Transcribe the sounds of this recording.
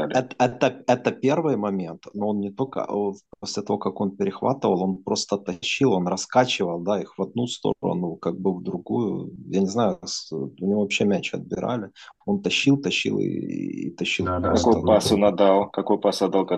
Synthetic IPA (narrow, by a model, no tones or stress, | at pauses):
alʲɛt̪ɛt̪əɛt̪əpʲe̞rvɨjmɐmʲe̞nt̪noo̞nnʲɪt̪o̞lʲkə̰posʲlʲɪt̪ɐvo̞kɐko̞npʲɪɾʲɪxva̰t̪ɨvəlˠo̞npɾo̞st̪ət̪ɐɕːilˠo̞nrɐskat͡ɕɪvəlˠd̪aixvɐd̪̚nust̪o̰ɾə̰nʊkaɡ̚bɨvd̪ɾʊɡujʊ̰janʲɪznajʊsɐnʲɪovɐpɕːemʲæt͡ɕɪɐ̰d̪̚bʲɪɾa̰lʲɪo̞nt̪ɐɕːilˠt̪ɐɕːḭlˠɪ̰ḭt̪ɐɕːilˠkɐkojpasʊnɐd̪alˠkɐkojpasʲɐd̪alˠkɐ